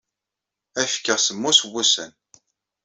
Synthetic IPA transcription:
æfkːəʁsəmːusəwːusən

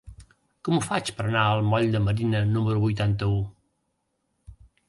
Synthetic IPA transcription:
kɔmufat͡ʃpəɾɐnaəlˠmɔʎd̪əməɾinənuməɾuβujt̪ant̪əu

